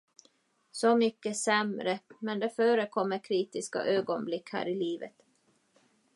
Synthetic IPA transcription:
sɔmʏkːəsɛmɾəmɛnd̪ɛfœːɾəkʰɔmːəɾkʰɾiːt̪ɪska̰ʔøːɡɔnblɪkhæ̰ːɾɪliːvə̰t̪

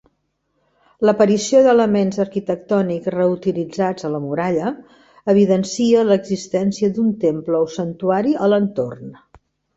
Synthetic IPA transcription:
ləpəɾisioðələmenzəɾkit̪ək̚t̪ɔnikzrəut̪ilid͡zad͡zələmuɾaʎəː | β̞iðənsiələɡzist̪ɛnsiəd̪unt̪empləosənt̪uaɾiələnt̪o̰rn

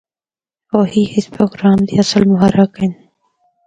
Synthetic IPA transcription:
oːhiːɪspɾoːɡɾaːmd̪ḭːɐsəlmʊɦaɾakɪn

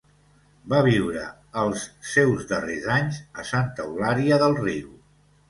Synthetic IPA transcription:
baβiwɾəː | lˠsːewzðərezaɲzəsant̪əulaɾiəðəlˠriw

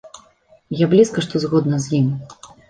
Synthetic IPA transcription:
jablʲiskɐʂt̪ɔzɣɔd̪nɐzʲjim

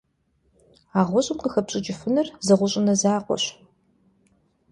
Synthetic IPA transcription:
aːʁʷɔɕʼɪmqəxɐpɕʼɪt͡ʃʼɪfɨnɐrzɐʁʷʊɕʼɪnɐzaːqʷɔ̰ɕ

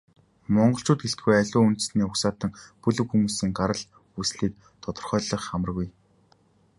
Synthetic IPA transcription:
mɔɴɢɞ̆ɬt͡ɕʰʊːt̪̚ɡeɬt̪̚ɡujæɮʲʊːunt̪̆sniːʊksaːt̪ə̆ŋpɵɮɵ̆wxumuːsiːŋɢaɾə̆ɮ | usɮiːk̚ | t̪ʰɔt̪ɞ̆rχœːɮɞ̆χːamə̆rɣuj

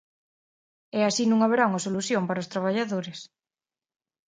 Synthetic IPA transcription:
easinũŋaβeɾawŋasoluθjompaɾaost̪ɾaβ̞aʎaðoɾes

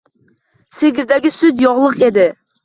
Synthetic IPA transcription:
seɡʲizd̪ɛɡʲisyt̪jɔʁlˠəqed̪ɪ

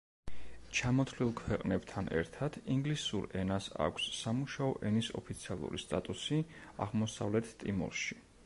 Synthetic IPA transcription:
t͡ʃʰamɔt̪ʰlilˠkʰwɛqʼnɛbt̪ʰanʔɛ̰ɾt̪ʰad̪̥ʰiŋɡlisuɾɛnasa̰kʷʰsːamuʃaɔʔɛnisɔ̰pʰit̪sʰialˠṵɾḭst̪ʼat̪ʼusiaʁmɔsa̰vlɛt̪ʰt̪ʼimɔ̰ɾʃi̥

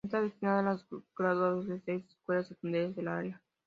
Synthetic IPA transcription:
nt̪aβesθt̪inaðelazɡ̥ɾaðuazðesejse̥skwelasekund̪eazðelaɾja

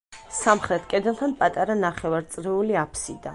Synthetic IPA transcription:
samχɾɛt̪ʰkʼɛd̪ɛlˠt̪ʰanpʼat̪ʼaɾanaχɛvaɾt̪sʼɾɛuliapʰsid̪a

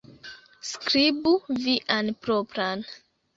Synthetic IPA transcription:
skɾibuviʔanpɾopɾan

